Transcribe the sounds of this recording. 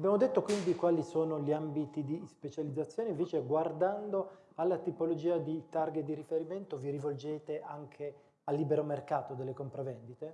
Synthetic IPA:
abjaːmod̪et̪ːokwind̪ikwaːlisoːnoʎiambit̪id̪ispet͡ʃalid̪zat̪sjoːneiɱveːt͡ʃeɡward̪and̪o | alːat̪ipolod͡ʒiːad̪it̪arɡet̪̚d̪iɾifeɾiment̪oviɾivold͡ʒeːt̪eʔaŋkʰe | alːiːbeɾomerkaːt̪od̪elːekompɾavɛnd̪it̪e

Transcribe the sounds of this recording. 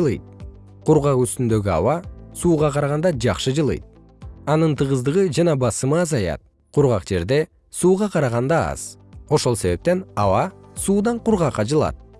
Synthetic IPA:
lˠɯ̰jt̪̚ | qʰuɾʁɑqyst̪ynd̪ø̞ɡʲyɑ̰wɑsuːʁɑqʰɑɾɑʁɑnd̪ɑd͡ʒɑqʃɯd͡ʒɯlˠɯ̰jt̪̚ | ɑnɯnt̪ɯʁɯzd̪ɯʁɯd͡ʒɑnɑbɑsɯmɯːzɑjɑ̰t̪̚ | qʰuɾʁɑqd͡ʒe̞ɾd̪e̞ | suːʁɑqʰɑɾɑʁɑnd̪ɑɑ̰z̥o̞ʃo̞lˠse̞βe̞p̚t̪e̞nɑwɑsuːd̪ɑɴquɾʁɑqːɑd͡ʒɯlˠɑ̰t̪̚

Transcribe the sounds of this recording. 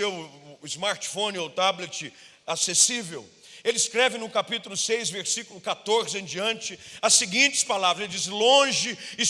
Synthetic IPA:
ewɪzmaɾt͡ʃɪ̥fõnɪot̪ablet͡ʃɪ | asesivew | elɪskɾɛvɪnʊ̃kapit̪ulʊsejzveɾsikʊlʊkat̪oɾzẽd͡ʒiɐ̃nt͡ʃɪɐsɪɡĩnt͡ʃɪ̥spalavɾɐzelɪd͡ʒisɪlõʒɪɪ

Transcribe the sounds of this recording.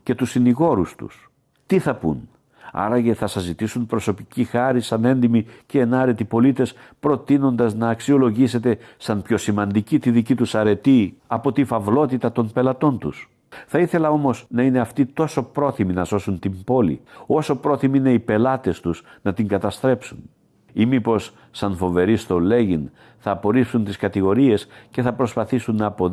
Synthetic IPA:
ce̞t̪usiniɣo̞ɾust̪ṵs | t̪iθɐpṵn | ɐ̰ɾɐʝeθɐsɐzit̪isunpɾo̞so̞picixɐɾisɐne̞nd̪imiceːnɐɾe̞t̪ipo̞lit̪e̞spɾo̞t̪ino̞nd̪ɐznɐːksio̞lo̞ʝise̞t̪e̞sɐnpço̞simɐnd̪icit̪iðicit̪usɐɾe̞t̪iɐpo̞t̪ifɐvlo̞t̪it̪ɐt̪o̞mpe̞lɐt̪o̞nt̪us | θɐiθe̞lɐo̞mo̞snɐine̞ɐft̪it̪o̞so̞pɾo̞θiminɐzo̞sunt̪imbo̞lḭo̞so̞pɾo̞θimiineipe̞lɐt̪e̞st̪usnɐt̪iŋɡɐt̪ɐst̪ɾe̞psun | imipo̞sː | ɐnfo̞ve̞ɾist̪o̞le̞ʝin | θɐːpo̞ɾipsunt̪iskɐt̪iɣo̞ɾie̞sce̞θɐpɾo̞spɐθisunːɐːpo

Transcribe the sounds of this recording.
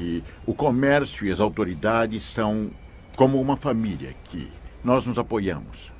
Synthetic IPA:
ɪʊkomɛɾsjʊiɐzawt̪oɾid̪ad͡ʒɪsːɐ̃w̃ | kõmʊũmɐfamiljɐ̰kʰɪ̰nɔznʊzapojɐ̰̃mʊs

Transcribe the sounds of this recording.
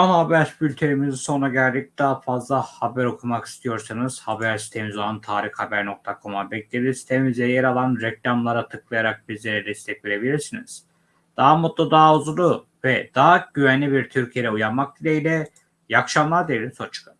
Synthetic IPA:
anabæɾsbylʲt̪ʰe̞ɾimiziso̞nɾaɟælʲd̪ic̚d̪aːafazlˠahabæɾo̞kʰumaki̥st̪ʰijo̞ɾsanɯz̥habæɾsit̪ʰemizolˠant̪ʰaːɾixhabæɾno̞k̚t̪ʰakʰo̞mabɛclʲelʲiɾsi̥t̪ʰemizʲɛɾjeɾalˠanɾɛclʲamlˠaɾat̪ʰɯk̚lˠɯjaɾak̚bizlʲeɾɛd̪ɛst̪ʰɛcveɾe̞bilʲiɾsiniz̥ | d̪̥aːamot̪lˠad̪aːuzulˠu | vɛd̪̥aːaɟyvænlʲibiɾt̪ʰyɾcʰijeɾɛujaɾmak̚d̪ilʲeilʲɛ | jakʃamlˠaɾd̪eilʲisʰot͡ʃʰɯ̥kʰa

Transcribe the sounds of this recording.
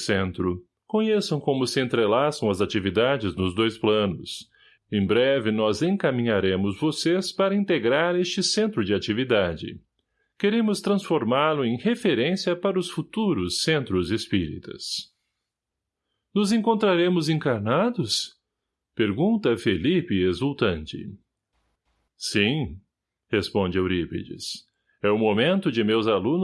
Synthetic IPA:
sẽnt̪ɾʊ | kõɲesɐ̃w̃kõmʊsɪẽnt̪ɾelasɐ̃w̃ɐzat͡ʃivid̪ad͡ʒɪznʊzd̪ojsplɐ̃nʊs | ẽj̃bɾɛvɪnɔzẽkamĩɲaɾẽmʊzvosespaɾɐĩnt̪eɡɾaɾest͡ʃɪsẽnt̪ɾʊd͡ʒɪat͡ʃivid̪ad͡ʒɪ̰ | keɾẽmʊst̪ɾɐ̃sfoɾmaɾlʊẽj̃hefeɾẽsiɐpaɾɐʊsfut̪uɾʊsːẽnt̪ɾʊzespiɾḭt̪ɐ̰s | nʊzẽkõnt̪ɾaɾẽmʊzẽŋkaɾnad̪ʊs | peɾɡũnt̪ɐfelipɪezuwt̪ɐ̃nt͡ʃɪ̰ | sĩ | hespõnd͡ʒɪawɾipḛd͡ʒɪ̰s | ɛʊmomẽnt̪ʊd͡ʒɪmewzalũn

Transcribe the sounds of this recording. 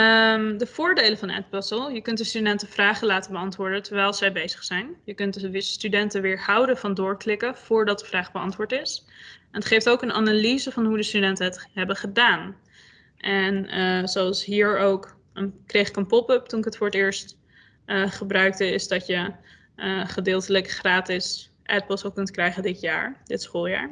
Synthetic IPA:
əmdəv̥ʊːɹdejlənvɑnɛ̰t̚bøsəlˠjəkɵntdəstydɛntəv̥raːχəlaːtəbəɑntʋʊːɹdəntəɹʋɛjlˠzɛjbejz̥ə̥χsɛjnjəkɵntdəʋɪːstydɛntəʋɪːɹhʌwdəvɑndʊːɹklɪkəv̥ʊːɹdɑt̚dəvraːχbəɑ̰ntʋʊːɹtɪsɛnətχejftowkəna̰nalizəvɑnɦudəstydɛntənɦətɦɛbəχədaːn | ʔɛnəzowɑlˠsɦiːɹowk | ənkrejχɪkənpɔpɵp̚tunɪkətfʊːɹətɪːɹst | ʔəχəbrœɥk̚dəɪzdɑtjə | əχədɪːlˠtələkχraːtɪs | ʔɛpəl̩ˠsokɵntkrɛjχəndɪtja̰ːɹdɪtsχoːlˠja̰ːɹ

